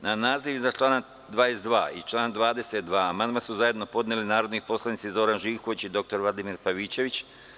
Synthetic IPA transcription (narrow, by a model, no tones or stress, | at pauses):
nanaːziʋzat͡ʃlˠaːna | d̪ʋaːjesd̪ʋa̰ːḭt͡ʃlˠaːnd̪ʋaːd̪e̞set̪̚d̪ʋaːmand̪masuzaje̞d̪no̞po̞d̪nelinaːɾo̞d̪nipo̞slˠanit̪sizo̞ɾanʒiːxot͡ɕid̪o̞k̚t̪o̞ɾlˠad̪imiːɾpaʋiːt͡ɕe̞ʋit͡ɕ